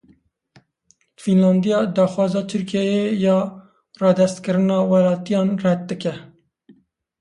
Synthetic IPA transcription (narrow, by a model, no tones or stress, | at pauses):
finlɑːnd̪ijɑːd̪ɑːxwɑːzɑːt̪ʰɨɾkijɛjejɑː | rɑːd̪ɛst̪kɨɾɨnɑːwɛlɑːt̪ijɑːnrɛt̪̚d̪ɨkɛ